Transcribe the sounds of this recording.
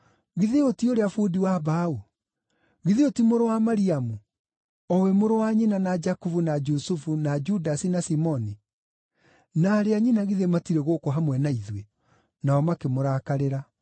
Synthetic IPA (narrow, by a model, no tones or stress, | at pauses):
ɣiðeotioɾeafudiwaβau | ɣiðeotimoɾowamaɾiamu | ɔwɛmoɾowaɲinanad͡ʒakuvunad͡ʒusufunad͡ʒudasinasimɔni | naːɾeaɲinaɣiðematiɾeɣokɔɦamwɛnaiðwe | naɔmakemoɾakaɾeɾa